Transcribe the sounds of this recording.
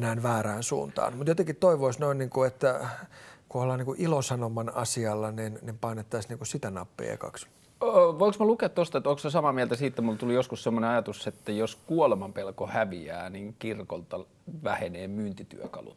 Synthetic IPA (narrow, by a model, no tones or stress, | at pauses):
næːnʋæːræːnsṵːnt̪ɑ̰ːnmut̪jot̪eŋkit̪t̪oiʋoisnoinniːŋkuet̪ːæ | kuolhɑːniːkuʔilosɑnomɑnɑsiɑlːɑninnimpɑinet̪ːɑisniːŋkussit̪ænɑpːḛːɑ̰kɑ̰ks | ʋoiksmɑlukeːt̪t̪ost̪ɑet̪ːoŋksesɑmɑmiɛlt̪æsiːt̪ːæmult̪ulijoskussemːoneɑjɑt̪usːet̪ːæjoskuolemɑmpelkohæʋiæ̰ːniŋkirkolt̪ɑ | ʋæheneːmyːnt̪it̪y̰økɑ̰lṵt̪